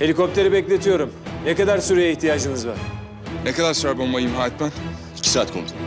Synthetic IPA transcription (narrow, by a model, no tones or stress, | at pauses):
he̞lʲikʰo̞p̚t̪ʰe̞ɾibɛclʲe̞t̪ʰijo̞ɾumnɛkad̪aɾsyɾejaiçt̪ʰijaːd͡ʒɯmɯzva̰ɾ̥ | nekad̪aɾsɾbonmajɯmɦaːɛt̪̚bæn | icʰi̥saːt̪kʰo̰md̪u